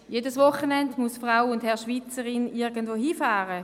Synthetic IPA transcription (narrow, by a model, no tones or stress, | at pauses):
jedəsvɔχənɛndmusfʁaʊʊndhɛɐʃʋiːt͡səʁɪnɪɡən̩dvoːɦiːfaːʁə